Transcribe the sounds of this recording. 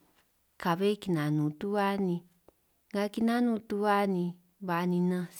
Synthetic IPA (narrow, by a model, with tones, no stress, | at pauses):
ka˨βe˦ki˧nã˨nũ˨t̪u˦βa˦nĩ˧ | ŋɡa˧ki˧nã˦nũ˧t̪u˧βa˦nĩ˧ | βa˧nĩ˧nã˧s